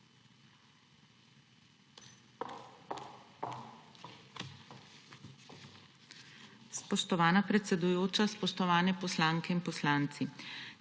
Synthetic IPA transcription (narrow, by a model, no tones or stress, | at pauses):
spɔʃt̪ɔʋaːnapɾɛt̪sɛd̪ujoːt͡ʃaspɔʃt̪ɔʋaːnɛpɔslaːŋkɛinpɔslaːnt̪si